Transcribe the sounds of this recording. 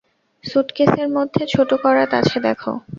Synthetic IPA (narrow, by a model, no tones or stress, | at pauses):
suʈkeseɾmod̪ʱːet͡ɕʰoʈukɔɾat̪a̰t͡ɕʰed̪ɛkʰo̰